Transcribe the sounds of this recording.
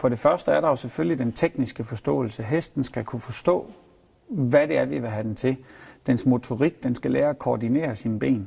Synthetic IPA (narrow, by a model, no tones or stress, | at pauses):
fɒ̽ɾ̥e̝fɶɐsd̥əæɐɾɑ̈jo̝seføljid̥ent͡sʰeɡ̥nisɡ̥əfɒ̽sd̥ɔ̰̽ːl̩səɦesd̥n̩sɡ̥ækʰufɒ̽sd̥ɔ̰̽ː | ʋæɾ̥e̝æɐʋiʋeɦæd̥ent͡sʰe̝d̥ensmo̝t͡sʰo̝ʁiɡ̥̚d̥ensɡ̥ælɛːɐækʰoːdine̝̰ːɐsinəb̥e̝̰ːn